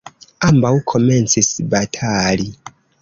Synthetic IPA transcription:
ambawkʰo̞me̞nt͡sisbatʰali

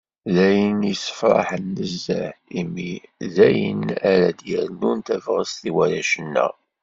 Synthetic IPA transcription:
ðæjənisə̥fɾˤɑ̰ħənːəzːəʕimːiðæjə̰naɾæd̪jəɾnunt̪ævʁəst̪iwæɾæʃənːə̰

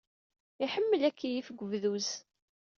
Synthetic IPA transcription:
iħəmːəlækʰːijifɡʷəvðuz

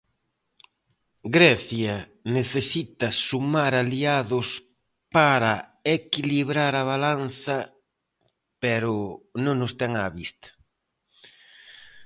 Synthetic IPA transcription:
ɡɾɛθjɐ | neθesit̪ɐsumaɾaliaðʊs | paɾaekiliβɾaɾɐβalanθɐ | pɛɾʊnõŋnʊst̪ɛŋaβist̪ɐ̥

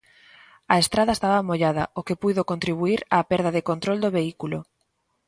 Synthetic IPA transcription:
ɐest̪ɾaðɐest̪aβamoʎaðɐokepujðokont̪ɾiβuiɾaːpɛɾðɐðekont̪ɾold̪oβeikulʊ̰

